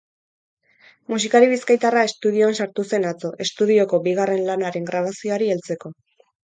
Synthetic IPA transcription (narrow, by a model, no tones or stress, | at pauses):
mus̬ikaɾiβiskajt̪arae̞st̪uð̞ioansaɾt̪use̞nat͡so̞ʔe̞st̪uð̞io̞ko̞biɣ̞are̞nlanaɾe̞ŋɡɾaβ̞asio̞aɾielt͡se̞ko̞